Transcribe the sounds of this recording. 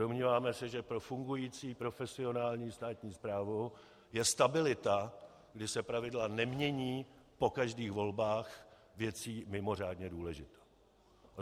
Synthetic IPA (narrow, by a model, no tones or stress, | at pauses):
omɲiːvaːmɛsɛʒɛpɾo̞fuŋɡujiːt͡siːpɾo̞fɛsɪo̞naːlɲiːst̪aːt̪ɲiːspɾaːvu | jɛst̪abɪlɪt̪a | ɡdɪsɛpɾavɪdlanɛmɲɛɲiːpo̞kaʒdiːxvo̞lbaːx | vjɛt͡siːmɪmo̞r̝aːdɲɛduːlɛʒɪt̪o